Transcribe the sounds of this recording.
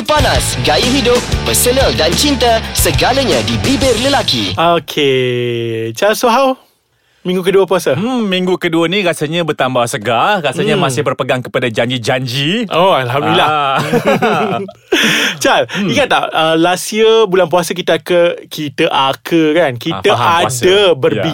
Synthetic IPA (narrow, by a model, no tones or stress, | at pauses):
panasɡajiɦidʊp̚ːəsənəldant͡ʃint̪asəɡaləɲãdibibɪrləlakḭokʰe | t͡ʃalsoɦaw | mĩŋɡukəduəpuasəmĩŋɡukəduənĩrasaɲãbərt̪ambahsəɡarasaɲamãsɪhbərpəɡaŋkə̥padad͡ʒaɲd͡ʒid͡ʒaɲd͡ʒiʔoalɦamdila | t͡ʃaliŋat̪̚ːaʔəlasiəbulanp̬uasək̬it̪əakəkʰit̪əʔakʰəkankiəaadəbəri